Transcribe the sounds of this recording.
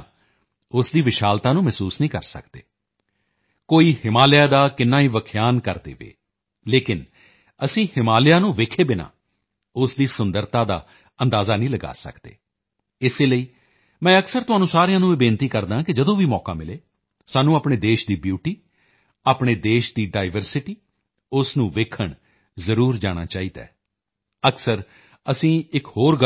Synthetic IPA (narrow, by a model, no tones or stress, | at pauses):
ʊsd̪iːʋɪʃaːlt̪aːnũːmɛːsuːsnĩːkəɾsə̰kd̪ḛː | koːiːhɪmaːlɪjaːd̪aːkɪnːaːiːʋəkʰjaːnkəɾd̪ḛːʋḛː | leːkɪn | əsĩːhɪmaːlɪjaːnũːʋeːkʰeːbɪnã̰ː | ʊsd̪iːsʊnd̪əɾt̪aːd̪a̰ː | ənd̪aːzaːnĩːləɡa̰ːsə̰kd̪̥ḛː | ɪseːləiː | mɛ̃ːəksəɾt̪ʊɦaːnũːsaːɾejãːnũːeːbeːnt̪iːkəɾd̪aːkɪd͡ʒəd̪õːʋiːmɔːka̰ːmɪleː | saːnũːaːpɽeːd̪eːʃd̪iːbjuːʈiː | aːpɳ̃eːd̪eːʃd̪iːɖaːɪʋəɾsɪʈiː | ʊsnũːʋeːkʰəɳ | zəɾuːɾd͡ʒaːɽ̃a̰ːt͡ʃaːiːd̪ɛ̰ː | əksəɾ | əsĩːɪkhoːɾɡ